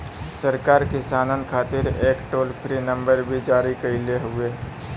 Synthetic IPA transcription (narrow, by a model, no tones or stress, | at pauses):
səɾkaːɾkɪsaːnənkʰaːt̪ɪɾeːkʈoːlpʰɾinə̃mbəɾbʱid͡ʒaːɾikəileɦʊeː